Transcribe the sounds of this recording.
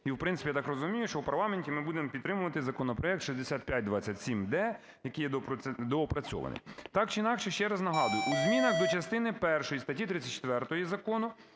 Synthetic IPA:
iwpɾɪnt̪ɪ̥pʲjt̪ɑkrɔzʊmʲijʊʃt͡ʃɔwpɐrlˠɑmenʲtʲimɪbud̪emɔpʲid̪t̪ːɾɪmʊʋɐt̪ɪzɐkɔnɔpɾɔjɛkt̪ʃizd̪esʲat̪̚pʲjat̚ʲd̪ʋɑt͡sʲːɐtʲsʲimd̪ɛ | jɐkɪjɛd̪pd̪ɔɔpɾɐt͡sʲɔ̰ʋɐ̰nɪ̰t̪ɑkt͡ʃɪinɑkʃɛʃt͡ʃɛɾɐznɐɦɑd̪ʊjʊʔuzʲmʲinɐxd̪ɔt͡ʃɐst̪ɪnɪpɛrʃɔjist̪ɐtʲːit̪ɾɪt͡sʲɐtt͡ʃt̪ʋɛrt̪ɔjizɐkɔnʊ

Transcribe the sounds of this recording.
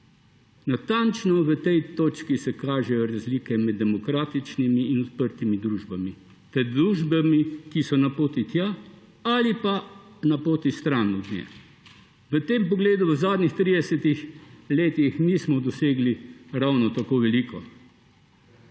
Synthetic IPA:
nat̪ant͡ʃnɔʋət̪ɛjt̪oːt͡ʃkisɛkaːʒɛjɔɾazliːkɛmɛd̪ːɛmɔkɾaːt̪it͡ʃnimiːnɔt̪pəɾt̪imid̪ɾuːʒbami | t̪ɛɾd̪ɾuːʒbamikisɔnapoːt̪it̪ja | alipanapoːt̪ist̪ɾanud̪njɛ̰ | ʋət̪empɔɡleːd̪uʋəzaːd̪nixt̪ɾid̪ɛsɛt̪ixleːt̪ixnismɔd̪ɔseːɡliɾawnɔt̪akoːʋɛlikɔ

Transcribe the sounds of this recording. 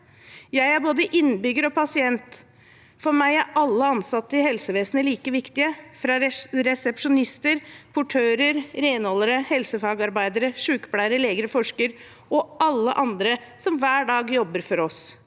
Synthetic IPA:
jæɪæɾboːd̪əʔɪnːbʏɡːəɾɔpʰɑsɪɛnt̪ | fɔɾmæɪæɾɑlːəɑnsɑt̪ːəɪhɛlsəʋeːsənəliːkəʋɪkt̪ɪəfɾɑɾɛsɛpʂʊnɪst̪əɾpʰʊʈʰøːɾəɾɾeɪnɔlːəɾəhɛlsəfɑːɡɑɾbæɪd̪əɾəʂʉːkplæɪəɾəleːɡəɾəfɔʂkəɾ | ɔʔɑlːə̰ʔɑnd̪ɾəsɔmʋæːɖɑːɡjɔbːəɾfɔɾɔs

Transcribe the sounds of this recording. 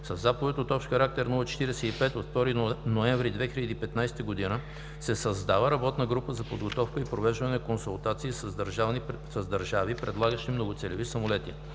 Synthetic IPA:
sɐzːapovɛt̪ot̪ɔfʃxɐɾak̚t̪ɛɾnulˠət͡ʃɛ̥t̪iɾɛsɛipɛt̪ot̪ft̪ɔɾinoɛɱvɾid̪vɛxilʲəd̪iːpɛt̪najsɛ̥t̪əɡod̪inə | sɛsɐzd̪avəɾɐbɔt̪nəɡɾupəzɐpod̪ɡot̪ɔfkəipɾovɛʒvɐnɛkonsulˠt̪at̪siːsəznsɐzd̪əɾʒavipɾɛd̪lˠaɡəʃt̪imnoɡʊt̪sɛlɛvisəmolɛt̪i

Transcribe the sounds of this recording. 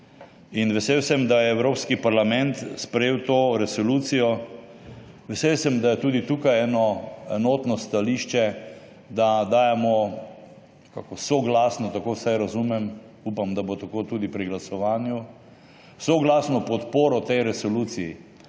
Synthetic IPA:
inʋɛsewsɛmd̪ajɛːwɾoːpskipaɾlamɛ̃nt̪spɾɛjeːwt̪oːɾɛsɔluːt̪sijɔ | ʋɛsewsɛmd̪ajɛt̪uːd̪it̪uːkajɛːnɔɛnoːt̪nɔst̪aliʃt͡ʃɛ | d̪ad̪aːjɛmɔ | ka̰ːkɔsoɡlaːsnɔt̪akowsajɾɐzumɛm | upamd̪abot̪akot̪uːd̪ipɾiɡlasɔʋaːnju | soɡlaːsnɔpɔt̪poːɾɔt̪ɛjɾɛsɔluːsiji

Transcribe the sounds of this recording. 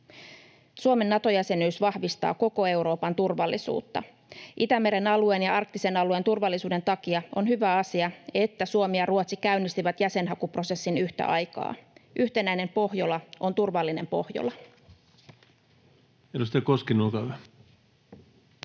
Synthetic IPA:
suome̞nːɑt̪o̞jæse̞nyːsʋɑhʋist̪ɑ̰ːko̞ko̞e̞wɾo̞ːpɑnt̪urʋɑlːisṵːt̪ːɑ̰ | ʔit̪æme̞ɾe̞nɑluenjɑɑrk̚t̪ise̞nɑluent̪urʋɑlːisuːde̞nt̪ɑkiɑo̞nɦyʋæɑsiɑe̞t̪ːæsuomijɑruot̪sikæynːist̪iʋæt̪jæse̞nɦɑkupro̞se̞sːinyht̪æ̰ʔɑjkɑ̰ːʔyht̪e̞næine̞mpo̞hjolɑʔo̞nt̪urʋɑlːine̞mpo̞hjo̰lɑ | elust̪ækoskinːulkɑæ

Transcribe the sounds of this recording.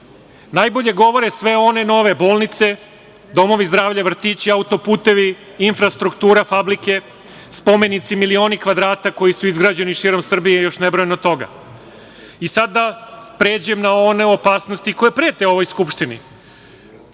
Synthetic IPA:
najboʎe̞ɡo̞ʋo̞ɾesʋe̞o̞ne̞no̞ʋe̞bo̞ːlˠnit̪se̞ | d̪o̞mo̞ʋizd̪ɾaːʋʎaʋr̩t̪it͡ɕiaut̪o̞puːt̪e̞ʋi | infɾast̪ɾukt̪uːɾafablike̞ | spo̞me̞nit̪similio̞ːnikʋad̪ɾaːt̪ako̞jisuizɡɾad͡ʑe̞niʃiːɾo̞msr̩bijejo̞ʃnebɾojenot̪o̞ɡa̰ | isad̪apɾeːd͡ʑujemnao̞ne̞o̞paːsno̞st̪iko̞jepɾeːt̪eo̞ʋo̞jskupʃt̪ini

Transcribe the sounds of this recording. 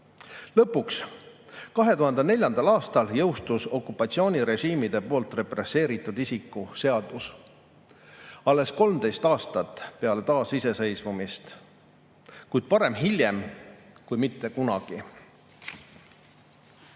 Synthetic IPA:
lɤpːˑuks | kɑɦe̞t̪uhɑnd̪̥ene̞lʲjɑnd̪ɑlɑːst̪ɑljɤwst̪uso̞kːˑupːˑɑt̪sio̞ːnʲiɾe̞ʒiːmid̪̥e̞po̞ːlt̪ˑre̞pre̞sːe̞ːɾit̪ˑːud̪isikːˑuse̞ɑd̪̥us | ɑlːe̞sko̞lmd̪e̞jst̪ɑːst̪ɑt̪ːˑpe̞ɑle̞t̪ɑːsise̞se̞jsvumist̪ | kujd̪̥̚pɑɾe̞mɦilʲjemkujmit̪ːe̞kunɑɡ̥i

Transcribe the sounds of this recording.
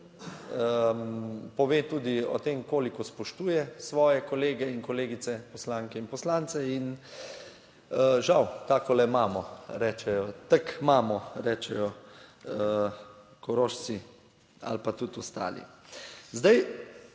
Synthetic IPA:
ə | pɔʋeːt̪uːd̪iɔ̰t̪eːmkoːlikɔspɔʃt̪uːjɛsʋɔːjɛkɔleːɡɛiŋkɔleːɡit̪sɛpɔslaːŋkɛinpɔslaːnt̪sɛin | əʒawkaːkɔlɛmaːmɔɾɛːt͡ʃɛjɔt̪ɐkmaːmɔɾɛːt͡ʃɛjɔ | kɔɾoːʃt͡ssi | a̰lpat̪ut̪ɔst̪a̰ːlḭzd̪aj

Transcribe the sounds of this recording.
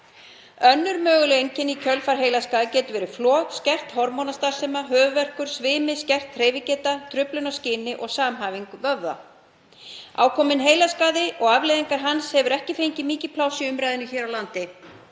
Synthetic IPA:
œnːʏɾmœːɣʏlʏejɲcɪnicʰœlfaɾ̥ɦeːjlaskaːðɪcɛːt̪ʏvɛːɾɪ̥flɔːɣscɛr̥t̪hɔɾmɔnast̪aɾ̥seːmaɦœːvʏvɛr̥kʏɾ̥svɪːmɪscɛr̥t̪reːjvɪcɛːt̪at̪ʰɾʏplʏnascɪːnɪʔɔɣsaːmɦaːviŋkvœvða̰ | a̰ːwkʰɔːmɪnɦeːjlaskaːðɪʔɔɣavlejðiŋkaɾ̥ɦanshɛvʏɾɛhcɪfejɲcɪmiːcɪpʰlaːwsɪʏmɾajðɪnʏçɛːɾawlant̪ɪ

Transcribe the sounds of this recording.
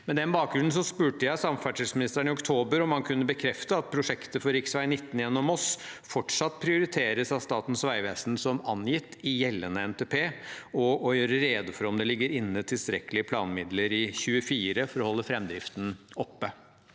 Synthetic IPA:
mɛnd̪ɛnbɑːk̚ɡɾʉnn̩s̬ɔspʉːʈəjæɪsɑmfæʈʰismɪnɪst̪ɾæɳɪɔkt̪ʰoːbəɾɔmhɑnkʰʉnːəbəkʰɾɛft̪əɑt̪̚pʰɾʊʂɛkt̪əfɔɾɪksʋæɪnɪt̪ːn̩jɛnːɔmɔsfɔʈʂɑt̪ːpʰɾɪʊɾɪt̪ʰeːɾəsɑʋst̪ɑːt̪n̩sʋæɪʋeːsnsɔmɑnjɪt̪ːɪjɛlːənəɛnt̪ʰeːpʰeːɔɔjøːɾəɾeːd̪əfɔɾɔmd̪ɛlɪɡːəɾɪnːət̪ʰɪlst̪ɾɛkəlɪəpʰlɑ̰ːnmɪd̪ləɾɪçʉːəfiːɾəfɔɾɔhɔlːəfɾɛmd̪ɾɪft̪n̩ɔpːə

